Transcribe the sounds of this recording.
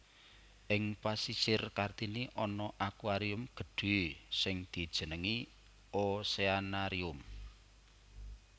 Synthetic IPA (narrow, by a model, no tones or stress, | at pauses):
ʔɪŋpasisɪrkart̪iniʔɔnɔʔakuwaɾiʊmɡ̥ə̤ɖ̥e̤sɪŋd̪̥i̤d̥ʒ̥ə̤nəŋi | oseanaɾiʊm